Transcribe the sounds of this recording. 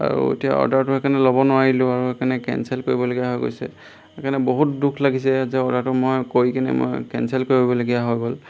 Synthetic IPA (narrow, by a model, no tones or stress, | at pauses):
a̰ɹṵḛtija̰ɔ̰daɹtʊɛkanɛlɔbɔnʊwaɹilʊ̃aɹuɛkanɛkɛ̰nsɛlkoɹibɔloɡijaɦɔjko̰jsɛ̰ | ɛkanɛboɦut̚dukʰlaɡisɛzɛɔdaɹtʊmojkojkinɛ̰mo̰jkɛ̰nsɛlkoɹiɦjbɔloɡijaɦɔjɡɔl